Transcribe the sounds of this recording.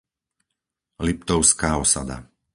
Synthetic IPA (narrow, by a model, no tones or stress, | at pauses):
lip̚t̪ɔʊskaːɔsa̰d̪a̰